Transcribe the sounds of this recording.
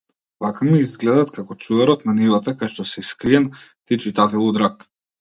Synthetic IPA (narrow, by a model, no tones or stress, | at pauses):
vakamiizɡlɛd̪at̪kakɔt͡ʃuvɛɾɔt̪nanivat̪akajʃt̪ɔsɛskɾiɛnt̪it͡ʃit̪at̪ɛlˠud̪ɾak